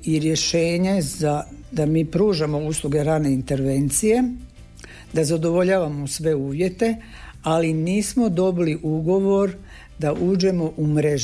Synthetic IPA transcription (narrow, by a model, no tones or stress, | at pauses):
iɾje̞ʃe̞ːɲezad̪amiːpɾuːʒamo̞uːslˠuɡe̞ɾane̞int̪e̞ɾʋe̞nt̪sije̞ | d̪azad̪o̞ʋo̞ʎaːʋamosʋe̞uːʋje̞t̪e̞ | aliniːsmo̞d̪o̞biliʔuɡo̞ʋo̞ɾ | d̪aʔuːd͡ʑe̞mo̞ʔumɾe̞ʒ